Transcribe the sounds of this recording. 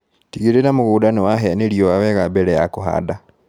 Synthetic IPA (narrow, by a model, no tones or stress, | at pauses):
tiɣiɾenamoɣuːdanewaɦɛneɾiɔwawɛɣabɛɾɛjakoɦa̰da